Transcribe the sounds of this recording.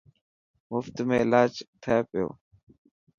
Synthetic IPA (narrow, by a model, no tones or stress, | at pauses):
mʊft̪mẽɪlaːd͡ʒt̪ʰəepɪjo̰ː